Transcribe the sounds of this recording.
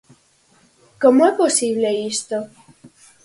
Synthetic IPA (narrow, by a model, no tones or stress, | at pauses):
komoɛposibleist̪o